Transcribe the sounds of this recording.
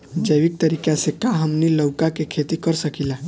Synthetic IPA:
d͡ʒəjʋik̚t̪əɾiːkjasekaɦəmniləwkakekʰet̪ikəɾsəkila

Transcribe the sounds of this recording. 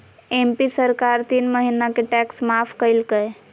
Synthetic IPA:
empisəɾkaɾt̪iːnməɦinakeʈɛksmapʰkəjlkəe

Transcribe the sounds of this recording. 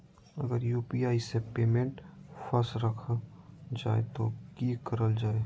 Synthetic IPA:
ɐɡəɾjuːpiaːisepeːmẽɳʈfɐsɾəkʰ | d͡ʒaːḛt̪okiːkəɾəld͡ʒaːe

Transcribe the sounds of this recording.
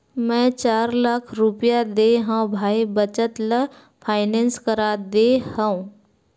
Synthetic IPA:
mɛ̃t͡ʃaːɾlakʰɾupjad̪eɦãwbʱaːibət͡ʃət̪lə | fʰaːɪnẽnskəɾad̪ehãũ

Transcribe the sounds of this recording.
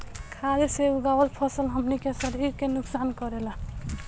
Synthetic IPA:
kʰaleseuɡawəlpʰəsəlɦəmnikesəɾiɾkenuksankɔɾela

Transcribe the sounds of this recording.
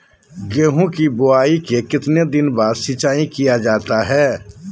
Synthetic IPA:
ɡeːɦũkibʊaːikekɪt̪ned̪ɪnbaːɾsɪt͡ʃaːĩkijad͡ʒaːt̪aɦɛː

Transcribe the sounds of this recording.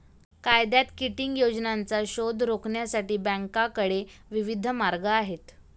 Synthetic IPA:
kajd̪jat̪kiʈiŋɡjod͡znant͡saɕod̪ʱɾokɳjasaʈiːbæ̃ŋkakəɽeʋiʋid̪ʱəmaɾɡaːɦet̪

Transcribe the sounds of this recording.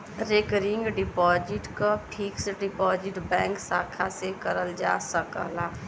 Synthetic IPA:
ɾekəɾɪ̃ŋɡɖɪpɔːd͡ʒɪʈkapʰiksɖɪpɔːd͡ʒɪʈbɛ̃ːŋksaːkʰasekəɾəld͡ʒa̰ːsəkə̰laː

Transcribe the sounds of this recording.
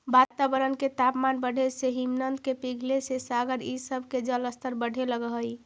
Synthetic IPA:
bat̪abəɾənket̪apmanbəɽʱeseɦimnənd̪kepiɡʱlesesaɡəɾisəbʱked͡ʒələst̪əɾbəɽʱeləɡəɦəj

